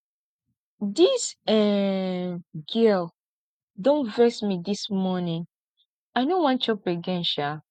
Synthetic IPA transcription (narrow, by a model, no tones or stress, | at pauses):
disɛ | ɡɛl | dõnvɛsmidismɔnĩŋ | ajnõwãnt͡ʃɔpeɡɛ̃nʃa